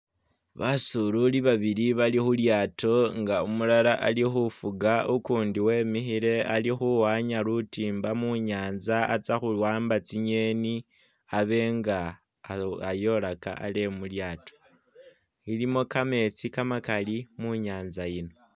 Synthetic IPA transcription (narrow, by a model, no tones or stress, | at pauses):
βasululiβaβiɾiβalixuljaːtʰo̞ŋɡaumulalaʔalixufuɡaukuːndiwe̞ːmixiɾe̞alixuwaɲaɾutiːmbamuɲaːnzaːt͡saxulwaːmbat͡siɲeni | aβe̞ŋɡa | ajo̞laka̰a̰le̞muljaːto̞̥ | ilimo̞kame̞t͡sikamakalimuɲaːnzajino̞